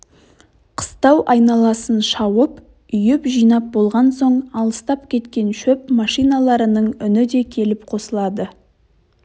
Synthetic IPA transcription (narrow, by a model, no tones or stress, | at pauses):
qʰə̥st̪ɑwʔɑjnɑlˠɑsənʃɑwəp | ʏjɪpʒijnɑp̚bo̞lˠʁɑnso̞ɴɑlˠəst̪ɑp̚kʲʰe̞t̪kʲe̞nʃɵpmɑʃijnɑlˠɑɾənəɴʏnɪd̪e̞kʲʰe̞lɪpqʰo̞səlˠɑd̪ə